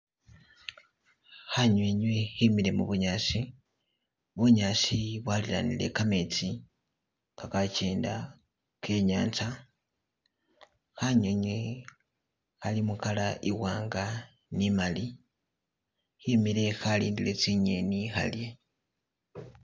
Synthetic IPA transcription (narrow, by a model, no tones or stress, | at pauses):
xaɲweɲweximile̞muβuɲasi | βuɲasiβwalila̰nḭle̞̰kame̞t͡si | kakace̞ːnda | kʰe̞ɲa̰ːnt͡sa | xaɲweɲwe̞ | xalimukalaʔiɣwaːŋɡa | nimali | himile̞xalḭːndile̞t͡siɲe̞nixa̰lje̞